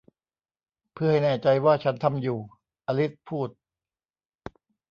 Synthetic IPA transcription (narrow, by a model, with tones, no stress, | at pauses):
pʰɯ˥˩ɐha˥˩jnɛː˥˩t͡ɕa˧jwaː˥˩t͡ɕʰa˦˥nt̪ʰa˧mjuː˨˩ | ʔa˧li˦˥t̪̚pʰuː˥˩t̪̚